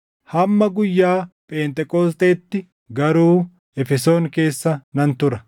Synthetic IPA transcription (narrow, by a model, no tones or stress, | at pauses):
hɐmːɐɡʊjːaːpʼeːnt̪ʼɛkʼoːs̬t̪eːt̪ːɪ | ɡɐɾuː | ɛfɛso̞ːŋke̞ːsːɐnɐnt̪ʊɾɐ